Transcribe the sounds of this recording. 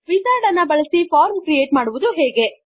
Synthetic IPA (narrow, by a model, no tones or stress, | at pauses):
ʋisaːɾɖɐnːɐbɐɭɐsipʰaːɾmkɾijeːʈmaːɽuʋud̪uɦeːɡe̞